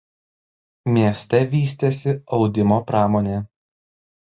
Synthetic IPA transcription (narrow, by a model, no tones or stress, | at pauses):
mʲiɛsʲt̪ʲɛʋʲiːsʲt̪ʲesʲɪɒʊd̪ʲɪmoːpɾɑːmoːnʲeː